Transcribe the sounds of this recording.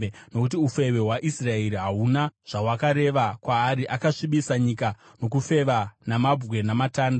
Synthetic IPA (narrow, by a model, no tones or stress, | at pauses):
no̞kut̬iufe̞we̞ɦwaʔisrae̞ɾiɦaɦunaʐ̥awakaɾe̞ʋakwaːɾiʔakaʂiɓisaɲika | no̞k̬ufe̞ʋanamab͡vɣwe̞namataːnda